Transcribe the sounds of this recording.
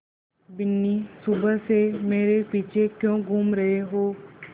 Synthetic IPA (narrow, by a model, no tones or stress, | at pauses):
bɪnːisʊbəsemeːɾepiːt͡ʃʰekjõːɡʱuːmɾɐɦeɦoː